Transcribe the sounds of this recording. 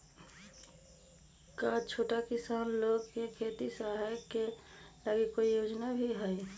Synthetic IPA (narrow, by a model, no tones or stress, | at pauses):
kat͡ʃʰoːʈakɪsaːnloːɡkekʰeːt̪isaɦɛkeləɡekːoijoːd͡ʒnabʱiɦɛɛ